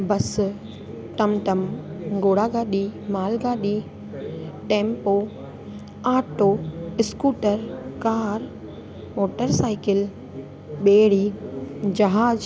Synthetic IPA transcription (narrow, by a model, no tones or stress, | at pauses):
bɐs | ʈɐmʈɐmɡoːɽaːɡaːɗiːmaːlɡaːɗi | ʈẽːmpoː | aːʈoːɪskuːʈəɾkaːɾ | moːʈəɾsaːɪkɪl | ɓeːɽiːd͡ʑɐɦaːd͡ʒ